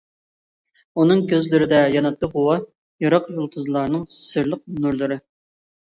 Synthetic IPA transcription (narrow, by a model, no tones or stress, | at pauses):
unɨŋkʲʰøzlɪɾɪd̪ɛjɑnɑt̪ːɨʁʊwɑ | jɑɾɑqjolˠt̪ʰuzlˠɑɾnɨŋsɨɾlˠəq̚nuɾlˠɨɾɨ